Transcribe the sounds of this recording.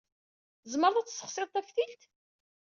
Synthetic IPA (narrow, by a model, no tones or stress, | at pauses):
zməɾˤðˤæt͡sːsːə̥χsˤeðˤt̪ˤæfθilt̪